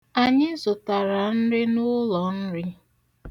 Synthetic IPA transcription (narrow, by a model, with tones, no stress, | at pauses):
a˨ɲɪ˦zʊ˨ta˨ɾa˨n̩˦ɾɪ˦nʊ˦lɔ˨n̩˦ɾɪ˦